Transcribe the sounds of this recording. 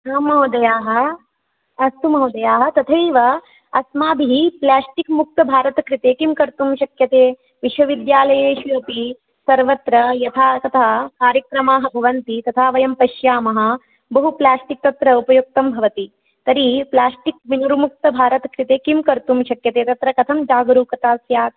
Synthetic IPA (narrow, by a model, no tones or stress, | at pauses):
ɐmɦɐwd̪ɐjaːɦɐ | ɐst̪umɦɐwd̪ɐjaːɦɐ̆t̪ɐt̪ʰeːʋɐ | ɐsmaːbiɦiplaːsʈikmuk̚t̪ɐbʱaːɾɐt̪ɐkɾit̪eːkimkɐɾt̪umʃɐkjɐt̪eː | ʋiʃʋɐʋid̪jaːlɐjeːʃʋiɾɐpi | sɐɾʋɐt̪ɾɐjɐt̪ʰaːt̪ɐt̪ʰaːkaːɾjɐkɾɐmaːɦɐbʱɐʋɐnt̪it̪ɐt̪ʰaːʋɐjɐmpɐʃjaːmɐɦɐ̆ | bɐɦuplaːsʈik̚t̪ɐt̪ɾɐupɐjuk̚t̪ɐmbʱɐʋɐt̪i | t̪ɐɾiplaːsʈik̚ʋinuɾumuk̚t̪ɐbʱaːɾɐt̪ɐkɾɪt̪eːkimkɐɾt̪umʃɐkjɐt̪eːt̪ɐt̪ɾɐkɐt̪ʰɐmd͡ʒaːɡɾuːkɐt̪aːsjaːk̚